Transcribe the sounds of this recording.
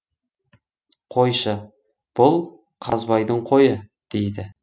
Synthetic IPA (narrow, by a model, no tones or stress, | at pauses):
qʰo̞jʃə | b̥ʊlˠ | qʰɑzbɑjd̪əɴqʰo̞jəd̪̥ejd̪ɪ